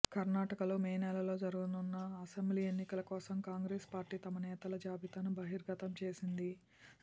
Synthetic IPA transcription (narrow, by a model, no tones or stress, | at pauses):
kɐɾnaːʈɐkɐlo̞ːmɛːnɛlɐlo̞ːd͡ʒɐɾuɡununːɐːsɐmbliːenːikɐlɐkɔːsɐmkaːŋɡɾeːspaːɾʈiːt̪ɐmɐnɛːt̪ɐlɐd͡ʒaːbʱit̪anubɐɦiɾɡɐt̪ɐmt͡ʃe̞ːsind̪i